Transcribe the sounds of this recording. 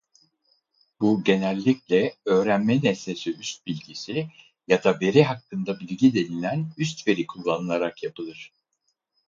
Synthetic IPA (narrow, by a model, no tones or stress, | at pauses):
buɟe̞nælʲːiclʲɛø̞ːɾænmɛnɛse̞siyst̪̚bilʲɟisi | jad̪abe̞ɾiɦakːɯnd̪abilʲɟid̪e̞nilʲænys̬t̪ve̞ɾikʰulˠːanɯlˠaɾakjapʰɯlˠɯɾ̥